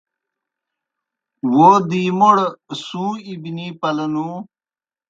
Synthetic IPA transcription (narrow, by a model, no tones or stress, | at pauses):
woːd̪iːmoɽsũːibniːpɐlɐnu